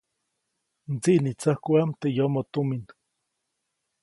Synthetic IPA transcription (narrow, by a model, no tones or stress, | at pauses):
nt͡siʔnit͡sahkwamt̪ejomot̪omin